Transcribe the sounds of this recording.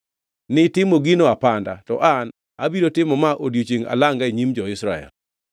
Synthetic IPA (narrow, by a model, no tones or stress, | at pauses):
nɪtɪmoɡinoapanda̰tɔ̰ʔan | abiɾotɪmɔmaʔodjot͡ʃiŋa̰laŋɡaiɲimd͡ʒɔɪsɾa̰ɛ̰l